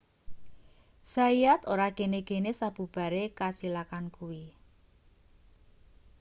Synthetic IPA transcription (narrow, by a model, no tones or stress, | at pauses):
saijat̪oɾaɡ̥eneɡ̥e̤nesab̥ṳb̥a̤ɾekasilakankuwi